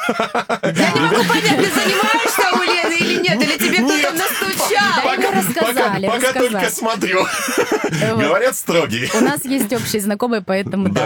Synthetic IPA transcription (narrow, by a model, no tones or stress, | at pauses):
janʲɪmɐɡupɐnʲat̪ɨzənʲɪmajɪʂt̪amʊlʲinilʲɪnʲet̪ɨlʲɪtʲɪbʲekt̪oəmnɐst̪ut͡ɕad̪ɐpɐmɾəskɐpɐzlʲɪpɐkat̪olʲakəsmɐt̪ɾʲu | vɡəvɐɾʲat̪st̪ɾoɡʲɪjəʊnasjesʲtʲo̞pɕːɪjəznɐko̞mɨjəpɐɛt̪əmʊd̪a